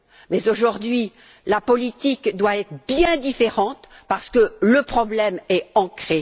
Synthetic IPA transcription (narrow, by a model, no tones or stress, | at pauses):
mɛzoʒuʁd̪ɥi | lapɔlit̪ikd̪waɛt̪χəbjɛ̃d̪ifeʁɑ̃t̪paʁsə̥kələpχɔblɛmɛɑ̃kχe